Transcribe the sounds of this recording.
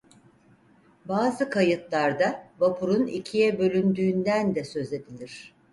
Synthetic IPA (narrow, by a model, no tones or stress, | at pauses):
baːzɯkʰajɯt̪lˠaɾd̪avapʰuɾunicʰijɛbø̞lʲynd̪yːnd̪ænd̪ɛsø̞ze̞d̪ilʲiɾ̝̥